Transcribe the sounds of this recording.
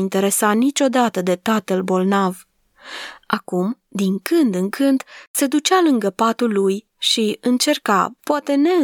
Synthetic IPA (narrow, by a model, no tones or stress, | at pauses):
int̪e̞ɾe̞sanit͡ʃʲo̞d̪at̪əd̪e̞t̪at̪əlbo̞lnav | akum | d̪iŋkɨnd̪ɨŋkʰɨnd̪̥se̞d̪ut͡ʃalɨŋɡəpat̪ulːuj | ʃiɨnt͡ʃe̞rka̰poat̪e̞ne̞ɨ